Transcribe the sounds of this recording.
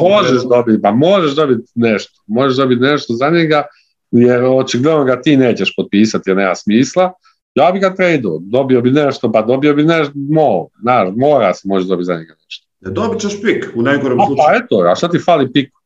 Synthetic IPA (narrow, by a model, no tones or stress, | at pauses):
mo̞ʒeʃd̪obit̪̚pamo̞ʒeʒd̪o̞bit̪neʃt̪o̥mo̞ʒeʃd̪o̞bit̪neʃt̪ozaɲeɡa | jeɾot͡ʃiɡlenoɡat̪iːneːt͡ɕeʃpot̪̚piːsat̪jeneːmasmiːslˠa | jaːbiɡat̪ɾejd̪ood̪o̞biobineʃt̪opad̪o̞biobineʃt̪moːznaːʃmoːɾa̰semo̞ʒeʒdo̞bit̪za̰ɲeɡaneʃt̪o̥ed̪obit͡ɕeʃpikunajɡoɾomaupaet̪oaʃt̪at̪ifaːlipik